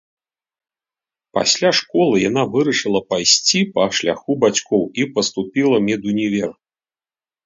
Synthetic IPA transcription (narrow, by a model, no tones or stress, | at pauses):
pa̰sʲlʲaʂkɔlˠɨjanavɨɾɐʂɨlˠɐpajsʲt͡sʲipɐʂlʲa̰xubat͡sʲkɔwipɐst̪upʲilˠɐmʲɛd̪unʲivʲɛr